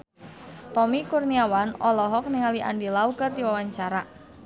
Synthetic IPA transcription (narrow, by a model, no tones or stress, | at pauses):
t̪ɔmikurniawanɔlɔɦɔk̚niŋaliʔa̰ndilaukərd̪iwawaɲt͡ʃaɾa